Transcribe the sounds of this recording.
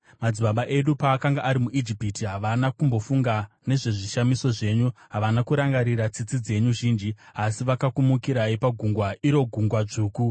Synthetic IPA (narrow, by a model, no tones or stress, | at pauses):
mad͡ziɓaɓaʔe̞ɗupaːkaŋɡaʔːɾimuʔid͡ʒipitiɦaʋanakumbo̞fuŋɡa | ne̞ʐe̞ʐiʃamiso̞ʐe̞ːɲuɦaʋanakuɾaŋɡaɾirat͡sit͡sid͡ze̞ɲuʒiːnd͡ʒiasiʋakakumukiɾaipaɡʱuŋɡwaiɾo̞ɡʱuŋɡwaʐuːku